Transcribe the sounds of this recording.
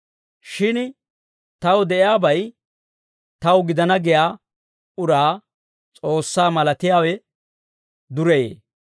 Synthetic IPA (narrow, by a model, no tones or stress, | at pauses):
ʃɪn | t̪ɐwd̪ɛʔɪjaːbɐj | t̪ɐwɡɪd̪ɐnɐɡɪjaː | ʊɾaː | t͡sʼo̞ːsːaːmɐlɐt̪ɪjaːwɛ | d̪ʊɾɛjḛː